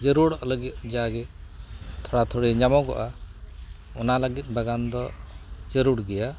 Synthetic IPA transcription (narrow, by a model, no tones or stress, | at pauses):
d͡ʒəɾuɽɔləɡit̪̚d͡ʒaɡɛ | t̪ʰɔɽat̪ʰɔɽiɲamɔɡɔ̰ʔa | ɔnaləɡit̪̚ˀbaɡand̪ɔd͡ʒəɾuɽɡɛja